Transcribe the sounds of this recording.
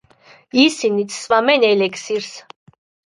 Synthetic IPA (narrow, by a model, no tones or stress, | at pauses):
isinit̪ʰsvamɛnɛlɛksiɾs